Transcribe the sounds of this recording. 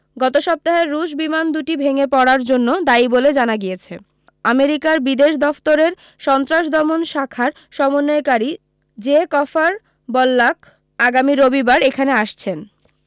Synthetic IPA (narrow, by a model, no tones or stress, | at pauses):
ɡɔt̪oʃɔp̚t̪aɦeɾːuʃ̬bimand̪uʈibʱeŋepɔɽaɾd͡ʑonːod̪aiboled͡ʑanaɡijet͡ɕʰe | ameɾikaɾbid̪eʃd̪ɔft̪oɾeɾ | ʃɔnt̪ɾaʃd̪ʱɔmonʃakʰaɾ | ʃɔmonːaekaɾi | d͡ʑekɔfaɾ | bɔlːak | aɡamiɾobibaɾekʰaneaʃt͡ɕʰen